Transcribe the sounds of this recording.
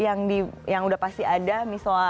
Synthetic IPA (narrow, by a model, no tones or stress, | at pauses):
jaŋdijaŋudahpast̪iadamisa